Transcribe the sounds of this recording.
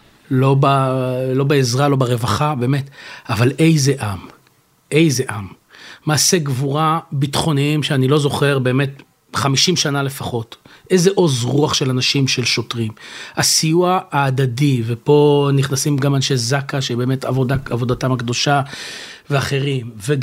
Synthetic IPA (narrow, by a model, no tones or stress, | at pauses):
lo̞balo̞beezʁalo̞baʁevaχabe̞ːmetavalʔe̞jze̞ʔam | ʔe̞jze̞ʔamː | aːse̞ɡvuʁabitχo̞niimʃeanilo̞zo̞χe̞ʁbe̞ːme̞t | χamiʃimʃanale̞faχo̞t | ʔejzeʔo̞zʁuaχʃe̞lanaʃimʃe̞lʃo̞tʁimasijuaːdadivepo̞niχnasimɡamanʃezakaʃebeːme̞tavodaavo̞datamakd̪o̞ʃa | veaχe̞ʁimve